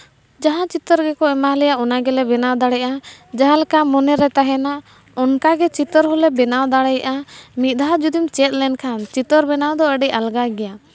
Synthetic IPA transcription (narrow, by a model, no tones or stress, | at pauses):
d͡ʒaɦãt͡ʃit̪ɔɾɡɛkɔɛmalɛjaʔɔnaɡɛlɛbɛnawd̪aɽɛjʔad͡ʒaɦãlɛkamɔnɛɾɛt̪aɦɛnaʔ | ɔnkaɡɛt͡ʃit̪ɔɾɦɔlɛbɛnawd̪aɽɛjʔamit̪̚d̪ʱɦad͡ʒud̪imt͡ʃɛt̪̚ˀlɛnkʰant͡ʃit̪ɔɾbɛnawd̪ɔəɖɛʔalɡaɡɛja